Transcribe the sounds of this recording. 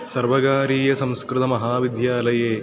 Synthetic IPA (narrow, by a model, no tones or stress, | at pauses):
sɐɾʋɐɡaːɾiːjɐsɐ̃m̃skɾɪt̪ɐmɐɦaːʋid̪ʱjaːlɐjeː